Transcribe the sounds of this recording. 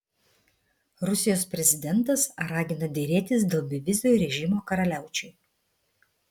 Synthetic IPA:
ɾʊsʲɪjoːspʲɾʲɛzʲɪd̪ʲɛnˑt̪ɐsɾɑːɡʲɪnɐd̪ʲeːɾʲeːt̪ʲɪsd̪ʲeːlˠbʲɪʋʲɪzʲoɾʲɛʒʲɪmoːkɐɾɐlʲæˑʊt͡ʃʲɛ

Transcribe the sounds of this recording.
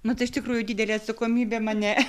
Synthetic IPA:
nʊt̪ɐɪʃt̪ʲɪkɾuːjʊd̪ʲiːd̪ʲɛlʲeːɐt̪sɐkoːmʲiːbʲeːmɑnʲɛ

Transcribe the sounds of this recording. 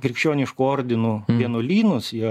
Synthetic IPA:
kɾʲɪkʃʲt͡ʃʲoːnʲɪʃkuoːɾʲd̪ʲɪnuːʋʲiɛnʊlʲiːnʊsjiɛ

